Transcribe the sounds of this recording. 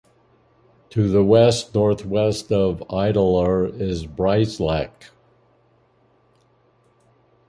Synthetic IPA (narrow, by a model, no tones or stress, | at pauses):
tʰɨðəwɛstnɔɹθwɛstʌvaɪɾl̩ˠə˞ɪzbɹaɪslæk